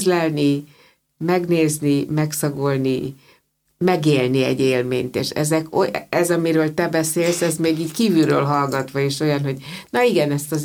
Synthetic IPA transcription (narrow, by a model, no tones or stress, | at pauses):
zlɛlni | mɛɡneːznimɛksɒɡo̞lni | mɛɡeːlniɛ̰ɟːeːlmḛːɲt̪ḛːʃɛ̰zɛkoɛzɒmiɾøːlt̪ɛbɛseːlsɛzmeːɡiːckiːvylɾø̰ːlɦɒlɡɒt̪ʋɒeːʃo̞jɒnɦo̞ɟnɒiɡɛnɛst̪ɒz